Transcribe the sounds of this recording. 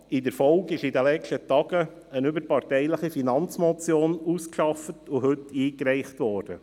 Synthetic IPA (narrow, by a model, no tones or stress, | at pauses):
ɪdəɾfɔlɡɪʃidɛlɛt͡ʃtətɑɡə | ənʏbəɾpɑɾtɛɪləχifinɑnt͡smɔt͡sjoːnuːskʃɑfətʊɦɵtiːkɾɛɪχtʋɔːɾd̥ə̰